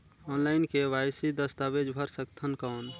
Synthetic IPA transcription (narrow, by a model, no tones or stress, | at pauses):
ɔːnlaɪnkeʋaːjsid̪əst̪abed͡ʒbʱəɾsəkt̪ʰənkaːn